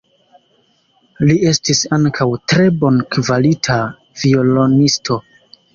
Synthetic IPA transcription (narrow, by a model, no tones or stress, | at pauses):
lie̞stisaŋkʰawtɾe̞bo̞nkvalitʰa | vio̞lo̞nistʰo̞